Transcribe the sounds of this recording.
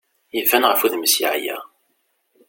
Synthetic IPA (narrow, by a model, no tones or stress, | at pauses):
jəvːænʁəfuðməsḭʕjæ̰